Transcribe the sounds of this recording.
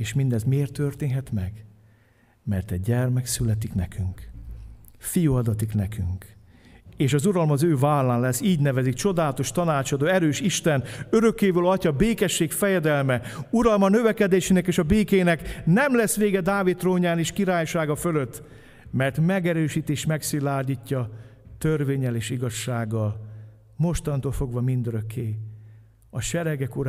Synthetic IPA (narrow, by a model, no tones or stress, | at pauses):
eːʃmind̪ɛzmeːrt̪ːørt̪eːnɦɛt̪mɛ̰ɡ | mɛ̰rt̪ɛɟɛrmɛksylɛt̪iknɛkyŋk | fijuɒd̪ɒt̪iknɛkyŋk | eːʃɒzuɾɒlmɒzøːvaːlːaːnlɛsːiːɟnɛvɛzikt͡ʃo̞d̪aːlɒt̪o̞ʃt̪ɒnaːt͡ʃɒd̪oːɛɾøːʃiʃt̪ɛnøɾøkːeːvøːlɒcɒbeːkɛʃːeːkfɛjɛd̪ɛlmɛuɾɒlmɒnø̞vɛkɛd̪eːʃeːnɛkeːʃɒbeːkeːnɛknɛmlɛsʋeːɡɛd̪aːvit̪ːroːɲaːneːʃkiɾaːjʃaːɡɒføløt̪ː | mɛrt̪mɛɡɛɾøːʃiːt̪eːʃt̪mɛksilːaːrɟicːɒt̪ørveːɲːɛleːʃiɡɒʃːaːɡːɒl | mo̞ʃt̪ɒnt̪oːlfo̞ɡʋɒmind̪øɾøkʰːeː | ɒʃɛɾɛɡɛkuɾ